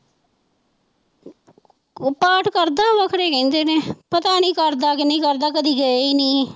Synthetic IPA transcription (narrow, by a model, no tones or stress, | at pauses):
paːʈʰkəɾd̪aːʋəkʰɾeːkɛ̃ːnd̪eːnẽːpət̪aːnĩːkəɾd̪aːkɪnĩːkəɾd̪aːkəd̪iːɡəeiːnĩː